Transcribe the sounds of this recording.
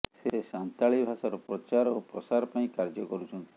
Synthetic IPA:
sesant̪aɭibʱasaɾɔpɾɔt͡ʃaɾopɾɔsaɾɔpaĩkaɾd͡ʒɔkɔɾut͡ʃʰɔnt̪i̥

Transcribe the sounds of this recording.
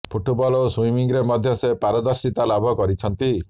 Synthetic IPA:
pʰuʈbɔloswimiŋɾemɔd̪ʱjɔsepaɾɔd̪ɔɾsit̪alabʱɔkɔɾit͡ʃʰɔnt̪i

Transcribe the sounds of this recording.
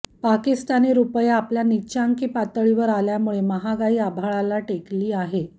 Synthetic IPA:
pakist̪aniɾupəjaːpljaniɕaŋkiːpat̪əɭiʋəɾaljamuɭeməɦaɡaiːabʱaɭalaʈekliːaɦe

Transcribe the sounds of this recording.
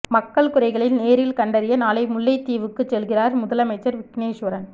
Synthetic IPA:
mɐkːɐɭkʊrɐɪɣɐɭɪlneːɾɪlkɐɳɖɐɾɪjɐnaːlɐɪmʊlːɐɪt̪ːiːʋɯkːɯt͡ʃːɛlɣɪraːɾmʊðɐlɐmɐɪt͡ʃːɐɾʋɪkneːʂʋɐɾɐn

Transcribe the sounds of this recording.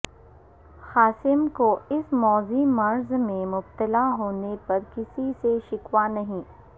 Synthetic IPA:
xaːsɪmkoɪsmɔːzimɐɾzmẽmʊbt̪əlaɦoːnepɐɾkɪsiseʃɪkwanɐɦĩː

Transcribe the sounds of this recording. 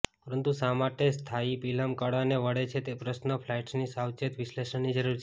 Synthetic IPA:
pəɾənt̪ũsamaʈest̪ʰaipiləmkəɽaneʋəɽet͡ʃʰet̪epɾəsnəpʰlajʈsnisawt͡ʃet̪ʋɪʃleʃəɳnid͡ʒəɾuɾt͡ʃʰ

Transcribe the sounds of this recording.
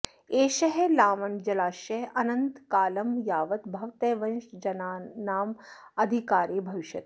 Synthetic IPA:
eːʃɐɦelaːmɐnd͡ʒɐlaːʃɐɦɐnɐnt̪kaːlɐmjaːʋɐt̪bʱɐʋt̪eːʋɐ̃nʃd͡ʒɐnaːnaːm | ɐd̪ʱikaːɾibʱɐʋiʃjɐt̪

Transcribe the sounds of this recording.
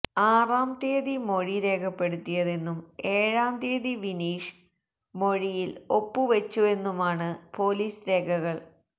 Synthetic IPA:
aːraːmt̪eːðimo̞ɻiɾe̞ːkʰɐpːe̞ɽut̪ːijɐðe̞nːume̞ːɻaːmt̪eːðiʋiniːʂ | mo̞ɻijilo̞pːɨʋɐt͡ɕːue̞nːumaːɳɨpo̞ːliːsɾe̞ːɡʱɐɣɐɭ

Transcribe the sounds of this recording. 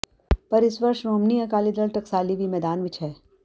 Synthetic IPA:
pɐɾɪsʋɐɾʃɾoːmniɐkaːlid̪əɭʈɐksaːlibʱimɛːd̪aːnʋɪt͡ʃʰɦɛː

